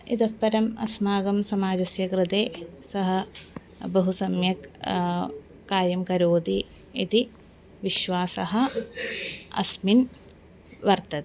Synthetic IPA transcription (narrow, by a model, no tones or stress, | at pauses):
it̪ɐpːɐɾɐmɐ̰smaːɡɐmsɐmaːd͡ʒɐsjɐkɾɨt̪eːsɐɦɐ̆ | bɐɦusɐmjɐk | kaːɾjɐmkɐɾoːd̪i | it̪i | ʋiʃʋaːsɐɦɐ̆ | ɐ̰smin | ʋɐɾt̪ɐt̪